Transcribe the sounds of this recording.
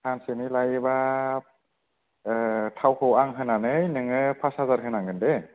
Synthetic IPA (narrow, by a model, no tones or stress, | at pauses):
tʰansenilajba | tʰawkʰɯwaŋɦɯnanɯjnɯŋɯpʰasazaɾkʰɯnaŋɡɯnde